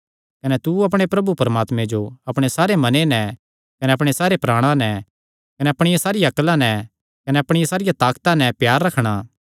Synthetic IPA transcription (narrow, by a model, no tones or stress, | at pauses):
kɐnɛt̪uɐp̬ɽ̃epɾɐbupɐɾəmaːt̪mẽd͡ʒoɐpɽ̃esaːɾemɐnenɛ | kɐnɛɐpɽ̃esaːɾepɾaːɽ̃ãnɛ | kɐnɛɐpɽ̃ɪjasaːɾɪjaɐklãnɛ | kɐnɛɐpɽ̃ɪjasaːɾɪjat̪aːkt̪ãnɛpjaːɾːɐkʰɽ̃aː